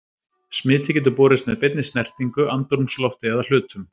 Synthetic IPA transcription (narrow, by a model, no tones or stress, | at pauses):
smɪːt̪ʰɪcɪnt̪̬ʏpɔːɾɪst̪mɛðpet̪nɪst̪nɛr̥t̪iŋkʏʔant̪ɔɾmslɔft̪ɪaðal̥ʏːt̪ʏm